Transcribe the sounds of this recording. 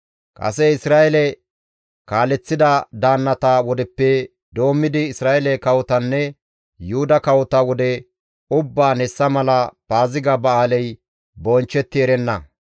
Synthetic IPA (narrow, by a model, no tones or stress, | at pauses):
kʼɐ̰sɛɪsɾaːʔɛlɛ | kaːlɛt͡sːɪd̪ɐd̪aːnːɐt̪ɐwɔd̪ɛpːɛ | d̪o̞ːmːɪd̪ɪɪsɾaːʔɛlɛkɐwɔt̪ɐnːɛ | jʊhʊd̪ɐkɐwɔt̪ɐwɔd̪ɛ | ʊbːaːnɛsːɐmɐlɐpaːzɪɡɐbɐaːlɛj | bɔnt͡ʃːɛt̪ːɪɛɾɛnːɐ